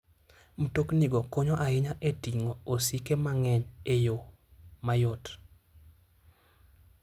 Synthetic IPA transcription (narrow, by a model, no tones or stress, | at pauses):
m̩tokniɡɔkoɲɔʔaɪɲaʔetiŋoosikemaŋɛɲejo | majɔt